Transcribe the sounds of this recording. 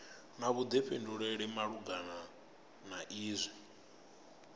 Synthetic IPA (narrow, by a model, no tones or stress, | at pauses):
naβud̪ɛɸɛnduɺɛɺɛmaɺuɡana | naʔiːzʷɛ